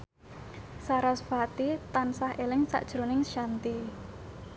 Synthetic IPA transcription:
saɾasfat̪it̪ansahʔelɪŋsa̰ʔd̥ʒ̥ɾo̤nɪŋʃant̪i

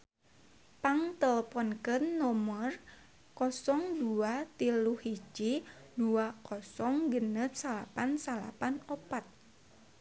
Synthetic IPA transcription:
paŋt̪ələpɔnkənːɔmər | kɔsɔŋduat̪iluhid͡ʒt͡ʃiduakɔsɔŋɡənət̪̚salapansala̰panopat̪̚

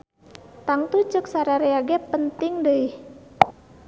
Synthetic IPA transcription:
t̪aŋt̪ut͡ʃək̚saɾaɾeaɡɛpənt̪ɪŋdəih

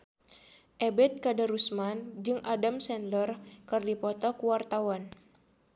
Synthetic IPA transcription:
ʔɛbɛt̪̚kadaɾusmand͡ʒɨŋʔadamsɛnlərkɨrdipɔt̪ɔkuwart̪awan

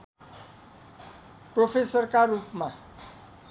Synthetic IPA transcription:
propʰesʌrkarupma

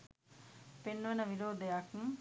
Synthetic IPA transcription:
penʋɐnəʋiɾoːd̪ejakŋ

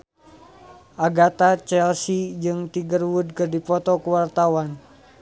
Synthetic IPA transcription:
ʔaɡat̪at͡ʃɛlsid͡ʒɨŋt̪iɡərwud̚kərdipɔt̪ɔkəwart̪awan

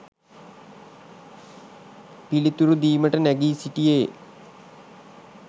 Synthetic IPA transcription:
pilit̪uɾud̪iːməʈənæɡiːsiʈijeː

